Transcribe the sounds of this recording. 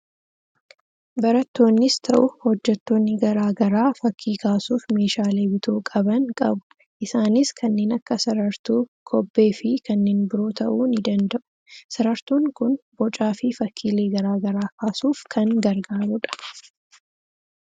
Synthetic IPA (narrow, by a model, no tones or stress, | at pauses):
bɐɾɐt̪ːo̞ːnːɪst̪ʰɐʔʊhɔd͡ʒːɛt̪ːo̞ːnːɪɡɐɾaːɡɐɾaːfɐkʰːiːkʰaːsuːfme̞ːʃaːleːbɪt̪ʰoːkʼɐbɐŋkʼɐbʊ̥ | ʔɪsaːnɪskʰɐnːe̞ːnɐkːɐsɐɾɐɾt̪uːkʰɔbːe̞ːfɪkɐnːeːnbɪɾoːt̪ʰɐʔuːnɪd̪ɐnd̪ɐʔʊ̥ | sɐɾɐɾt̪uːŋkʊnbɔt͡ʃʼaːfɪfɐkʰːiːleːɡɐɾaːɡɐɾaːkaːsuːfkʰɐŋɡɐɾɡaːɾʊᶑɐ̥